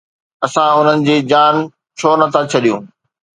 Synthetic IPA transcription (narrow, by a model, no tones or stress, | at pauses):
ɐsãʊn̤ənɪ̆d͡ʑeːd͡ʑaːn | t͡ɕʰoːnɐt̪ʰat͡ɕʰɐɗijũː